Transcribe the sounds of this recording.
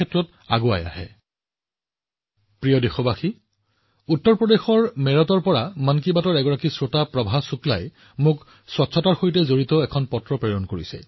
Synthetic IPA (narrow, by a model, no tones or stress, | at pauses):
ɛtːɹɔt | a̰ɡoa̰ja̰ɦɛ̰ | pɹiɔdexɔbaxi | utːɔɹpɹɔdexɔɹmɛɹɔtɔɹpɔɹamank̬ibatɔɹɛɡɔɹakisɹotapɹɔbʱasukla̰j | mʊk | swɔtsʰɔtaɹxojtɛzoɹitɔɛkʰɔnpɔtɹɔpɹeɹɔnkoɹisɛ̰